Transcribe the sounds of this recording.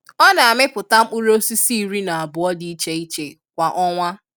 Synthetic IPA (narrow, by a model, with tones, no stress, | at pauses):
ɔ˦na˨a˨mɪ˦pʊ˨ta˦m̩˦k͡pu˦ɾo˦si˦si˦i˦˨ɾi˦na˨a˨bʊ˨ɔ˦di˨˦i˦t͡ʃe˦i˦t͡ʃe˨ | kʷa˨ʔɔ˦ŋʷa˦